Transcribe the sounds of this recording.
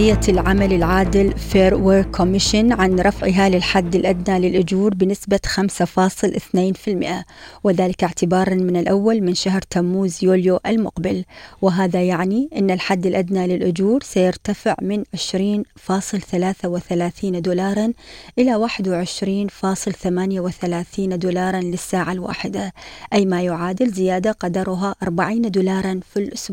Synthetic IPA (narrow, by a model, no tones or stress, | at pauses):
ɪjːalʕamalɪlʕaːd̪ɪlfeːɾwɪɾkʰːʊmːɪʃɪnʕanɾˤɑfʕɪɦalɪlħad̪ːɪlʔad̪nalɪlʔʊd͡ʒuːɾbɪnɪsbaxamsafɑːsˤɨlʔɪθneːnfɪlmɪʔawɪðaːlɪkɪʕt̪ɪbɑːɾˤɑnmɪnɪlʔawːalmɪnʃaɦɾt̪amːuːzjuːljoʔɪlmʊqbɪlwɪɦaːðajaʕniʔɪnːalħad̪ːɪlʔad̪nalɪlʔʊd͡ʒuːɾsajɪɾt̪afɪʕmɪnʕɪʃɾiːnfɑːsˤɨlθalaːθawɪθalaːθiːnd̪uːlɑːɾˤɑnʔɪlawaːħɪd̪wɪʕɪʃɾiːnfɑːsˤɨlθamaːnjawɪθalaːθiːnd̪uːlɑːɾˤɑnlɪsːaːʕalwa̰ːħɪd̪aʔajːmajʊʕaːd̪ɪlzɪjaːd̪aqɑd̪ɑɾˤʊɦaʔɑɾˤbaʕiːnd̪uːlɑːɾˤɑnfilʔʊsbːʕ